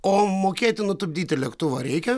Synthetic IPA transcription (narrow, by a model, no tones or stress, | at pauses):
oːmoːkʲeːt̪ʲɪnʊt̪ʊbʲd̪ʲiːt̪ʲɪlʲɛkt̪uʋɐɾʲɛɪkʲɛ